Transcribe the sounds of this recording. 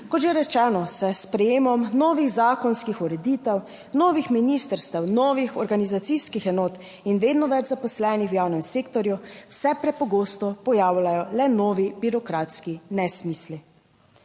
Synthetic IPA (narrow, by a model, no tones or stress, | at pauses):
kɔt̪ʒeɾɛt͡ʃɛnɔsɛspɾɛjeːmɔmnɔːʋiɣzaːkɔnskixuɾɛd̪iːt̪ɛw | nɔːʋixminist̪əɾst̪ɛwnɔːʋixɔɾɡanizat̪siskixɛnɔːt̪ | inʋeːd̪nɔʋɛd͡ʒzapɔslɛnixwjaːwnɛmseːkt̪ɔɾjuwsɛpɾɛpɔɡoːst̪ɔpɔjaːwlajɔlɛnɔːʋibiɾɔkɾat̪skinɛsmisli